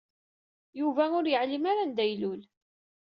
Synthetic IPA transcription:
juvæʊɾjəʕlimaɾand̪æjlʊl

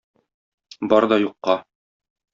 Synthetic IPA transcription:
bɒɾd̪ɒjuqːɑ

